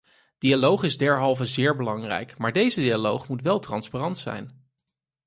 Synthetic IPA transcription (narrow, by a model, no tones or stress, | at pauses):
d̥ialowχɪzdɛɹɦɑlˠvəzɪːɹbəlɑŋrɛ̰jkmaːɹdejzədialowχmutʋɛlˠtrɑnsparɑntsɛ̰jn